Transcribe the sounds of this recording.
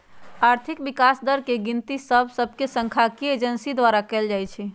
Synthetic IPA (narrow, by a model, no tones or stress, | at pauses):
aɾt̪ʰikbikasd̪əɾkeɡint̪isəbsəbʱkesə̃ŋkʰakied͡ʒənsid̪ʋaɾakɛld͡ʒajt͡ʃʰi